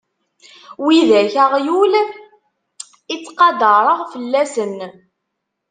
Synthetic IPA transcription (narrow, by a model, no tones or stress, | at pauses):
wiðæçəʁjul | it͡sːqɑd̪ɑɾˤəʁfəlːæsən